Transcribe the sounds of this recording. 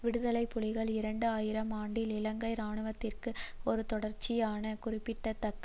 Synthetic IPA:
ʋɪɽɯðɐlɐɪpːʊɭɪɣɐɭɪɾɐɳɖɯaːjɪɾɐmaːɳɖɪlɪlɐŋɡɐɪɾaːɳɯʋɐt̪ːɪrkɯɔɾɯt̪ɔɽɐɾt͡ʃːɪjaːnɐkʊrɪpːɪʈːɐt̪ːɐkː

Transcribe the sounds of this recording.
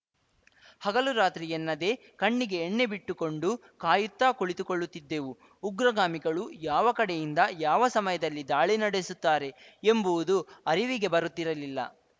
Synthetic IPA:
hɐɡɐluɾaːt̪ɾijɐnːɐd̪e̞ | kɐɳːiɡe̞ːɳːe̞biʈːuko̞ɳɖu | kaːjut̪ːaːkoɭit̪ukoɭːut̪ːid̪ːe̞ʋuː | ɡɾɐɡaːmiɡɐɭujaːʋɐkɐɽe̞jind̪ɐjaːʋɐsɐmɐjɐd̪ɐlːid̪aːɭinɐɽesut̪ːaːɾe̞embuʋud̪uɐɾiʋiɡe̞bɐɾut̪ːiɾɐlilːɐ̰

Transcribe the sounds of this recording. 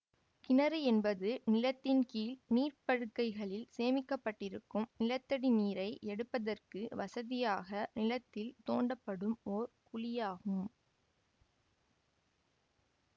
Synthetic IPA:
kɪnɐɾɯɛnbɐðɯnɪlɐt̪ːɪnkiːlniːrpɐɻɯkːɐɪɣɐɭɪlseːmɪkːɐpːɐʈːɪɾɯkːɯmnɪlɐt̪ːɐɽiniːɾɐɪʔɛɽɯpːɐðɐrkɯʋɐsɐðɪjaːɣɐnɪlɐt̪ːɪlt̪oːɳɖɐpːɐɽɯmoɾkʊɭɪjaːɣɯm

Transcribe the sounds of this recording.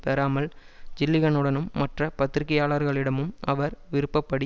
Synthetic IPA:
peːɾaːmɐl | d͡ʒɪlːɪɣɐɳɯɽɐnɯmːɐʈrɐpɐt̪ːɪɾɪkːɐjaːɭɐɾɣɐɭɪɽɐmɯmɐ̰ʋɐɾʋɪɾɯpːɐpːɐɽi

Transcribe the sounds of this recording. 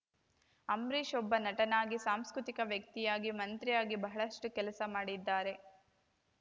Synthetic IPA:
ɐmɾiʃɔbːɐnɐʈɐnaːɡisaːmskɾut̪ikɐʋjɐk̚t̪ijaːɡimɐnt̪ɾijaːɡibɐɦɐɭɐʂʈukɛlɐsɐmaːɽid̪ːaːɾe̞

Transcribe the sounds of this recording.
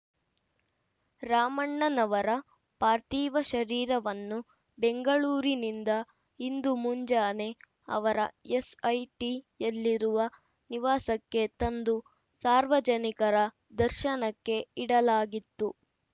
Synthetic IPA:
ɾaːmɐɳːɐnɐʋɐɾɐ | paːɾt̪iːʋɐʃɐɾiːɾɐʋɐnːu | beŋɡɐɭuːɾinind̪ɐ | ind̪umuɲd͡ʒaːne̞ | ɐ̰ʋɐɾɐ̰esɐjʈijɐlːiɾuʋɐ | niʋaːsɐkːe̞t̪ɐnd̪u | saːɾʋɐd͡ʒɐnikɐɾɐ | d̪ɐɾʃɐnɐkːe̞iɽɐlaːɡit̪ːu

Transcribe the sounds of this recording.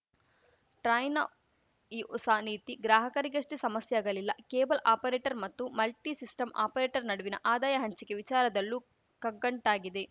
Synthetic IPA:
ʈɾɐjnɐ | iːɔsaːniːt̪iɡɾaːɦɐkɐɾiɡɐʂʈesɐmɐsjɐaːɡɐlilːɐkeːbɐlʔaːpɐɾeːʈɐɾmɐt̪ːumɐlʈisisʈɐma̰ːpɐɾeːʈɐɾnɐɽuʋinɐ̰ʔaːd̪aːjɐɦɐɲt͡ʃike̞ʋit͡ʃaːɾɐd̪ɐlːu | kɐɡːɐɳʈaːɡid̪e̞

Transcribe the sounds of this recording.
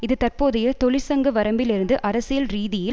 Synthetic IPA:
ɪðɯt̪ɐrpoːðɐjɐt̪ɔlɪsɐŋɡɐʋɐɾɐmbɪlɪɾɯnd̪ɯʔɐɾɐsɪjɐlɾiːðɪjɪl

